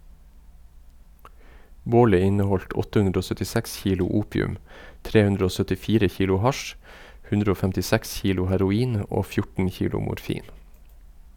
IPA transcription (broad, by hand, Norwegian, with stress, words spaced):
ˈboːlə ˈɪnəˌhɔlt ˈɔtə ˈhʉndɾə ˈoː sœtɪˈsɛks ˈçiːlʊ ˈuːpɪʉm ˈtɾeː ˈhʉndɾə ˈoː sœtɪˈfiːɾə ˈçiːlʊ ˈhɑʃ ˈhʉndɾə ˈoː fɛmtɪˈsɛks ˈçiːlʊ hæɾʊˈiːn ˈoː ˈfjʊʈən ˈçiːlʊ mʊɾˈfiːn